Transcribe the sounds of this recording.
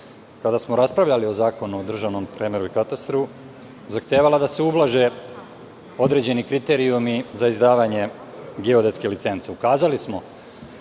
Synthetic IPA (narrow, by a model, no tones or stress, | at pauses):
kad̪asmoɾaspɾaʋʎalio̞zaːko̞nuod̪r̩ʒaʋno̞mpɾemeɾuikat̪ast̪ɾu | zaxt̪jeːʋalad̪ase̞ublˠaʒe | o̞d̪ɾe̞ːd͡ʑe̞nikɾit̪e̞ːɾiumizaizd̪aːʋaɲe̞ | ɡeod̪et̪skelit̪se̞nt̪seukaːzalismo̞